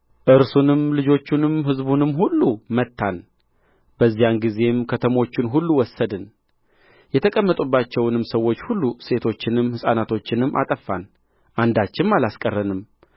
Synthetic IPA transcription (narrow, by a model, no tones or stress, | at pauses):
ʔɨɾsunɨmlɨd͡ʒo̞t͡ʃːunɨmɦɨzbunɨmːɦulːumət̪ʰːan | bəzːijanɡize̞mkʰət̪ʰəmo̞t͡ʃːɪnɦulːuwɔsːəd̪ɨn | jɛt̪ʰəkʼəmːət̪ʼubːat͡ʃːɛwnɨmsəwːo̞t͡ʃːhulːuse̞t̪ʰo̞t͡ʃːɪnɨmhɨsʼanat̪ʰo̞t͡ʃːɪnɨmːʔa̰t̪ʼəfːan | ʔand̪at͡ʃːɪmalaskʼərːənɨm